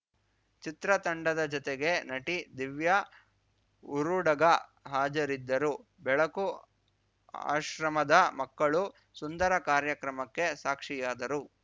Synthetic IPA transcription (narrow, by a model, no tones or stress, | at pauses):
t͡ʃit̪ɾɐt̪ɐɳɖɐd̪ɐd͡ʒɔt̪eɡe̞nɐʈid̪iʋjɐ | uɾuɽɐɡɐɦaːd͡ʒɐɾid̪ːɐɾu | bɛɭɐku | a̰ːʃɾɐmɐd̪ɐmɐkːɐɭu | sund̪ɐɾɐkaːɾjɐkɾɐmɐkːe̞saːkʂijaːd̪ɐɾu